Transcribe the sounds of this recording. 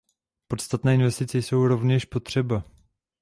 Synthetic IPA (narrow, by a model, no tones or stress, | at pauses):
po̞t̪st̪at̪nɛːɪnvɛst̪ɪt͡sɛjso̞wɾo̞vɲɛʃpo̞t̪r̝̥ɛba